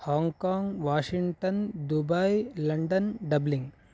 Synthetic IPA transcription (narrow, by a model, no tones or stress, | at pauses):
haːŋɡkaːŋɡʋaːʃiŋɡʈɐnd̪ubɐjlɐɳɖɐnɖɐbliŋɡ